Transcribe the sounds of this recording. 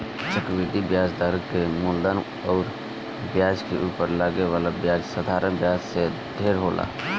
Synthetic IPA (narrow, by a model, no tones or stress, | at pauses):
t͡ʃəkbid̪ibjad͡ʒd̪əɾkemuld̪ən | ɔːɾ | bjad͡ʒkeʔupəɾlaɡeʋaːlabjad͡ʒsəd̪ʱaɾənbjad͡ʒsed̪ʱeɾɦolʔa̰